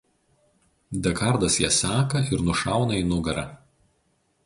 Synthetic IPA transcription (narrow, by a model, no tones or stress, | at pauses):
d̪ʲɛkɐɾd̪ɐsjɛsʲæːkɐɪɾnʊʃɑˑʊnɐinʊɡɐɾɑ̰ː